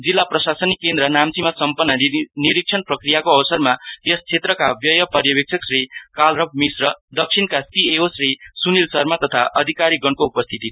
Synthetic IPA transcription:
d͡zilːaprʌsasʌnikend̪ɾʌnamt͡simasʌmpʌnːʌniɾik̚t͡sʰʌnprʌkrijakoʌwʌsʌrmat̪est͡sʰet̪rʌkabjʌjʌpʌrjʌbek̚t͡sʰʌksrekalrʌb̚misrʌd̪ʌk̚sʰinkasieosresunilsʌrmat̪ʌt̪ʰa̰ʔʌd̪ʱikaɾiɡʌɳkoupʌst̪ʰit̪i

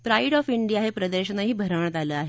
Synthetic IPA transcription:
pɾaiɽɔfiɳɖijaɦepɾəd̪əɾɕənaɦiːbʱəɾəʋɳ̃t̪aləːaɦe

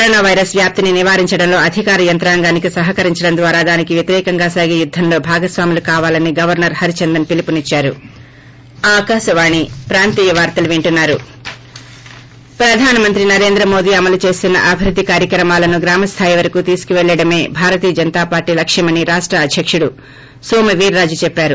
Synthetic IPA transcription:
kɐɾoːnaːʋɐjɾɐsʋjaːp̚t̪ininiʋaːɾiɲt͡ʃɐɽɐmlo̞ːɐd̪ʱikaːɾɐjɐnt̪ɾaːŋɡaːnikisɐɦɐkɐɾiɲt͡ʃɐɽɐnd̪ʋaːɾaːd̪aːnikiʋjɐt̪iɾɛːkɐŋɡaːsaːɡijud̪ʱːɐmlo̞ːbʱaːɡɐsʋaːmilukaːʋaːlɐniɡɐʋɐɾnɐɾhɐɾit͡ʃɐnd̪ɐnpilipunit͡ʃːaːɾu | aːkaːʃɐʋaːɳipɾaːnt̪iːjɐʋaːɾt̪ɐluʋiɳʈunːaːɾu | pɾɐd̪ʱaːnɐmɐnt̪ɾinɐɾe̞ːnd̪ɾɐmo̞ːd̪iːɐmɐlut͡ʃe̞ːst̪unːɐ̰ʔɐbʱiɾud̪ʱːikaːɾjɐkɾɐmaːlɐnuɡɾaːmɐst̪ʰaːjiʋɐɾɐkut̪iːsu̥kuʋɛɭːɐɽɐme̞ːbʱaːɾɐt̪iːɐd͡ʒɐnt̪aːpaːɾʈːiːlɐkʂɐmɐniɾaːʂʈɾɐːd̪ʱjɐkʂuɽu | soːmɐʋiːɾːaːd͡ʒut͡ʃɛpːaːɾu

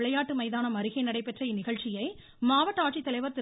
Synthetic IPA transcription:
ɪɭɐjaːʈːɯmɐɪðaːnɐmɐɾɪɣɐɪnɐɽɐɪpːɛʈrɐɪnɪɣɐɭt͡ʃɪjɐɪ | maːʋɐʈːaːʈt͡ʃːit̪ːɐlɐɪʋɐɾt̪ɪ

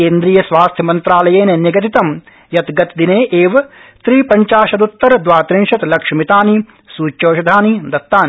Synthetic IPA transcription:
eːnd̪ɾiːjɐsʋaːst̪ʰjɐmɐnt̪ɾaːlɐjeːneniɡɐt̪it̪ɐm | jɐt̪ɡɐt̪d̪ineːʔeːʋɐt̪ɾiːpɐɲt͡ʃaːʃɐd̪ut̪ːɐɾɐd̪ʋaːt̪ɾiŋʂɐt̪lɐkʂɐmit̪aːni | suːt͡ʃoːʃɐd̪ʱaːnid̪ɐt̪ːaːni

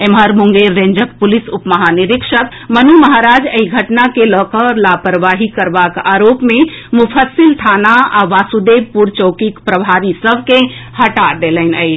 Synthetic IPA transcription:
emɦəɾmuŋɡeɾːẽɲd͡ʒəkpulisupməɦaniɾikʃək | mənuməɦaɾad͡ʒəiɡʱəʈnakelɔkəɾlapəɾʋaɦikəɾbakaɾopmemupʰəsilt̪ʰanaaʋasud̪ebpuɾt͡ʃəwkikpɾəbʱaɾisəbʱkehəʈad̪eləɪnəɪt͡ʃ

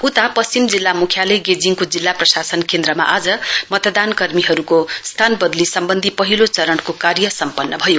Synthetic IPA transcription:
ut̪apʌst͡simd͡zilːamukʰjaleɡed͡ziŋkod͡zilːaprʌsasʌnkend̪rʌma̰ʔad͡zʌmʌt̪ʌd̪ankʌrmiɦʌɾukost̪ʰanbʌd̪lisʌmbʌnd̪ʱipʌɦilot͡sʌɾʌɽkokarjʌsʌmpʌnːʌbʱʌjo

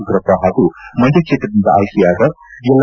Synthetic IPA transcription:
ɡɾɐpːɐɦaːɡ̪umɐd̪ʱjɐkt͡ʃʰeːt̪ɾɐd̪ind̪ɐa̰ːjkijaːɡ̪ɐ | jɛlː

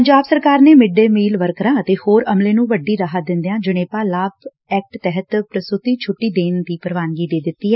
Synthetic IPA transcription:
pəɲd͡ʒaːbsəɾkaːɾneːmɪɖːeːmiːlʋəɾkəɾãːət̪eːhoːɾəmleːnũːʋəɖːiːɾəɦaːd̪ɪ̃nd̪ejãːd͡ʒəɽ̃eːpaːlaːb | ɛːk̚ʈt̪ɛɦət̪pɾəsɾʊt̪iːt͡ʃʰʊʈːiːd̪eːnd̪iːpəɾʋaːnɡiːd̪eːd̪ɪt̪ːiːɦɛː

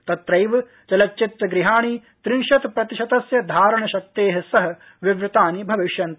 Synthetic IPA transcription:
t̪ɐt̪ɾɐjʋɐ | t͡ʃɐlɐt͡ʃːit̪ːɐɡɾiɦaːɳi | t̪ɾiːʃɐt̪pɾɐt̪iʃɐt̪ɐsjɐd̪ʱaːɾɐɳɐʃɐk̚t̪eːɦɐsɐɦɐ̆ | ʋiʋɾɪt̪aːnibʱɐʋiʃjɐnt̪

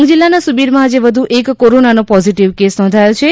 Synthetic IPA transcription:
ɡd͡ʒilːanasubiɾmãːd͡ʒeʋəd̪ʱuʔekːoɾonanopɔziʈiʋkesnɔ̃d̪ʱajot͡ʃʰe

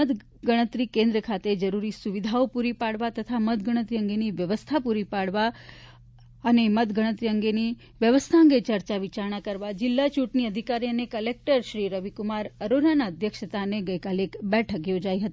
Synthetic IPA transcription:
ət̪ | ɡəɽ̃ət̪ɾikẽnd̪ɾəkʰat̪ed͡ʒəɾuɾisuʋid̪ʱaopuɾipaɽʋat̪ət̪ʰamət̪ɡəɽ̃ət̪ɾiə̃ŋɡeniʋjəʋəst̪ʰapuɾipaɽʋa | ənemət̪ɡəɽ̃ət̪ɾiəŋɡeni | ʋjəʋəst̪ʰaə̃ŋ̆ɡet͡ʃəɾt͡ʃaʋɪt͡ʃaɾɳ̃akəɾʋad͡ʒɪlːat͡ʃuʈniəd̪ʱikaɾiənekəlek̚ʈəɾʃɾiɾəʋikʊmaɾəɾonanaəd̪ʱjəkʃət̪aneɡəjkalekbɛʈʰəkjod͡ʒaiɦət̪i

